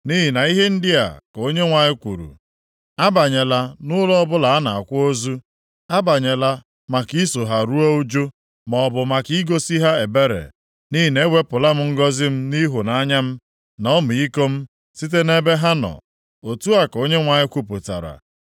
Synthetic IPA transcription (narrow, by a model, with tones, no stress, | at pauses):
ni˦ɦi˨na˨i˦ɦe˦n̩˦dɪ˦a̰˨ko˦ɲe˦ŋʷa˨ɲɪ˦kʷṵ˨ɾṵ˨ | a˦ba˨ɲe˨la˨nʊ˦lɔ˦ɔ˦bʊ˦la˨a˦na˨a˨kʷo˦zu˦ | a˦ba˨ɲe˨la˦ | ma˨ki˦so˨ɦa˨ɾu˦ɔ˦u˦d͡ʒo˦ | mɔ˨bʊ˨ma˨ki˦ɡo˦si˦ɦa˦e˨be˦ɾḛ˨ | ni˦ɦi˨ne˦ɡʷe˦pʊ˨la˦m̩˦ŋ̩˦ɡɔ˦zɪ˦m̩˦ni˦ɦʊ˨na˨a˦ɲa˦m̩˦ | nɔ˦mʊ˨i˦ko˦m̩˦ | si˦t̬e˦ne˦be˦ɦa˦nɔ̰˨ | o˨tu˦a˨ko˦ɲe˦ŋʷa˨ɲɪ˦kʷu˦pu˨ta̰˨ɾa̰˨